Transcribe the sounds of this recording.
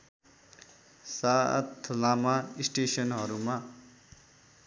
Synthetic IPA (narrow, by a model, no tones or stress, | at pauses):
sa̰t̪ʰlamaisʈesʌnɦʌɾuma